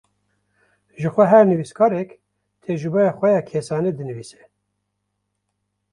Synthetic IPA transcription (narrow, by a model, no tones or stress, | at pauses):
ʒɨxʷɛɦɛɾnɨviskʰɑːɾɛk | t̪ʰɛʒɨbɑjɑːxʷɛjɑːkʰesɑːned̪ɨnɨviːsɛ̥